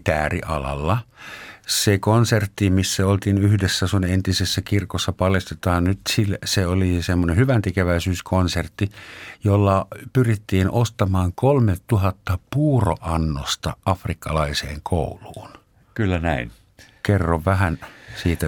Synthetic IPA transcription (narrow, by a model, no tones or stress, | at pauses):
t̪æːrḭʔɑ̰lɑ̰lːɑ | sekonsert̪ːimisːæolt̪iːnyhdesːæsunent̪isesːækirkosːɑpɑljest̪et̪ɑːnnyt̪silseolisemːonehyʋænt̪ekeʋæisyːskʰonsert̪ːijolːɑpyrit̪ːiːnost̪ɑmɑːŋkolmet̪tuɦɑt̪ːɑpuːro̰ʔɑnːo̰st̪ɑʔɑfrikːɑlɑisḛːŋkʰo̰uluːn | kylːænæin | kerːoʋʋæhænsiːt̪æ